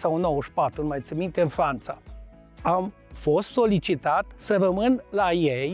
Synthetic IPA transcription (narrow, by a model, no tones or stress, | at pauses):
sawnowəʃpat̪ɾunmajt̪sɨmint̪eɨnfɾant̪sa | am | fo̞st̪so̞lit͡ʃit̪at̪səɾəmɨnlajej